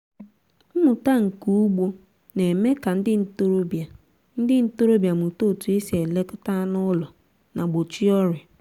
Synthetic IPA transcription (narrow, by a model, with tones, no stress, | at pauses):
m̩˦mʊ˨ta˦ŋ̩˨ku˦u˦ɡ͡bo˦ | ne˨me˦ka˨n̩˦dɪ˦n̩˨to˦ɾo˦bja˨ | n̩˦dɪ˦n̩˦to˦ɾo˦bja˨mʊ˨to˦˨tu˨e˦se˨le˦kʊ˦ta˦nʊ˦lɔ˨ | na˨ɡ͡bo˨t͡ʃi˦ɔ˦ɾɪ˨